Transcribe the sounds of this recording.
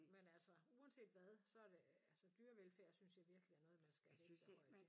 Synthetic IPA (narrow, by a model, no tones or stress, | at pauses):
menælsəuːɛnse̝̰ːd̥ʋæð̞ˠsɒ̽æɐd̥e̝ælsəd̥yːɐʋelfæɐ̰synsjɑ̈ɪʋiɐɡ̥liæɐnɔ̽ːð̩ˠmænsɡ̥æhe̥æɒɪ̰̥